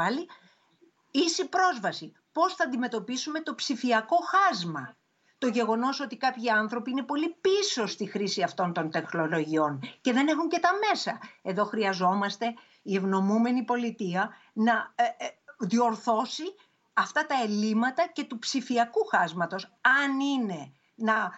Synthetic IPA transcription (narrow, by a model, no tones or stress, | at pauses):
ɐli | isipɾo̞zvɐsi | po̞sθɐːnd̪ime̞t̪o̞pisume̞t̪o̞psifiɐko̞xɐzmɐ̰ | t̪o̞ʝe̞ɣo̞no̞so̞t̪ikɐpçiɐnθɾo̞piine̞po̞lipiso̞st̪ixɾisiɐft̪o̞nt̪o̞nt̪e̞xno̞lo̞ʝio̞nce̞ðe̞ne̞xuɲce̞t̪ɐme̞sɐe̞ðo̞xɾiɐzo̞mɐst̪e̞ | ie̞vno̞mume̞nipo̞lit̪iɐ | nɐ | ðio̞ɾθo̞si | ɐft̪ɐt̪ɐe̞limɐt̪ɐce̞t̪upsifiɐkuxɐzmɐt̪o̞sɐnine̞ | nɐ